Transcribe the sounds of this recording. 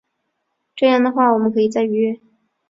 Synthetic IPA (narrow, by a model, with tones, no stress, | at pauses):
ʈ͡ʂɤ˥˧jɑ˥˩ŋd̪ə˩xwa˥˩wɔ˨˩mə˦nkʰɤ˧˥i˨˩t͡sa˥˩ɪy˧˥ɥɛ˥˩